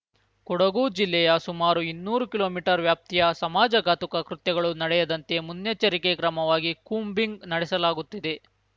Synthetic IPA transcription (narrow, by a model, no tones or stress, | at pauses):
kɔɽɐɡuːd͡ʒilːɛjɐsumaːɾuinːuːɾukilo̞ːmiːʈɐɾʋjaːp̚t̪ijɐsɐmaːd͡ʒɐɡaːt̪ukɐkɾut̪jɐɡɐɭunɐɽɛjɐd̪ɐnt̪e̞munjɐt͡ʃɐɾikekɾɐmɐʋaːɡikuːmbiŋɡnɐɽɛsɐlaːɡut̪ːid̪e̞